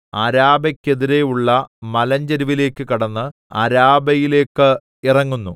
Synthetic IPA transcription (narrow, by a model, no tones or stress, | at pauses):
aɾaːbɐkʲːe̞ðiɾe̞juɭːɐmɐlɐɲd͡ʑɐɾiʋile̞ːkːɨkiɽɐnːɨ | a̰ɾaːbɐjile̞ːkːɨ | irɐŋːunːu